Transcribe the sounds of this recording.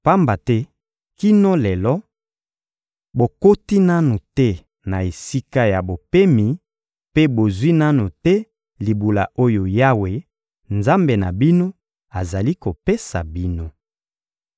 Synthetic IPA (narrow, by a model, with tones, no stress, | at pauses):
pa˦mba˨tɛ˦ | ki˦no˦lɛ˨lɔ˦ | bo˨ko˦ti˦na˦nu˨tɛ˦ | na˨e˨si˦ka˦ja˨bo˨pe˦mi˨˦ | pe˦bo˨zwi˦na˦nu˨tɛ˦ | li˨bu˨la̰˨ʔo˦jo˨ja˦we˨ | nza˦mbe˨na˨bi˦no˦ | a˨za˨li˦ko˨pe˦sa̰˨bi˦no˦